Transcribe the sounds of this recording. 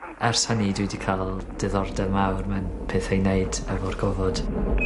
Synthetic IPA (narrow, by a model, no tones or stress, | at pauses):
ɛrshənidwidikʰalˠd̥ɨðɔrdɛmawrmɛnpʰeːθejneɨdɛvɔrɡɔvɔd̥